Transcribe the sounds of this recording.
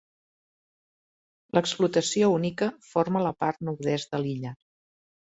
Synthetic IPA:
ləksplut̪əsiounikəfoɾmələpaɾt̪nuɾðɛzd̪əliʎə

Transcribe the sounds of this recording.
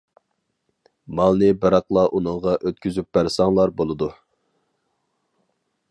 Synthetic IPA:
mɑlˠnɨbɨɾɑqlˠɑʔunɨŋʁɑʔøt̪̚kʲyzyp̚b̥æɾsɑŋlˠɑɾbolˠɨd̪u

